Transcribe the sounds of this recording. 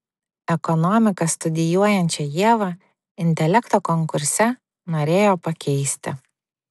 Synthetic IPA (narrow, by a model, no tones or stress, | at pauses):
ɛkɔnɔmʲɪkɐst̪ʊd̪ʲɪjuɔjɛnʲt͡ʃʲɛjiɛʋɐ | ɪnʲt̪ʲɛlʲɛkt̪oːkɔŋkʊɾʲsʲɛ | noːɾʲeːjoːpɐkʲɛɪsʲt̪ʲɪ̰